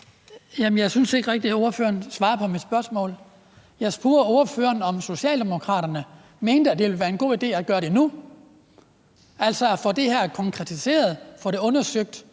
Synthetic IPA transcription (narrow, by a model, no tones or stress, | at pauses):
jæmənjɑɪsynse̝ɡ̥ʁeɡ̥̚d̥io̝ɐfø̰ːɐnsʋɑ̈ːpʰɒ̽mid̥sb̥ɶɐsmɔ̰̽ːl | jɑ̈ɪsb̥uːɐo̝ɐføːɐnɒ̽mso̝ɕiɛ̰ːld̥e̝mo̝kʰʁɑ̰̈ːɾɐnə | me̝ːnd̥əæd̥e̝ʋelʋæːɐe̝nɡo̝̰ːid̥e̝̰ːæɡ̥ɶːɐɾ̥e̝nu | æl̰sɒfɒd̥e̝hæɐ̰kʰɒ̽ŋkʰʁɛt͡sʰise̝̰ːɐð̞̩ˠfɒɾ̥e̝ɔ̽nɐsøɡ̥̚d̥